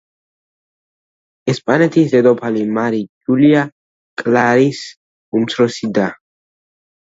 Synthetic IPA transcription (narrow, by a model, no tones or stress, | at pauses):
ɛspʼanɛt̪ʰiszɛd̪ɔpʰalimaɾid͡ʒulia | kʼlaɾis | umt̪sʰɾɔsid̪a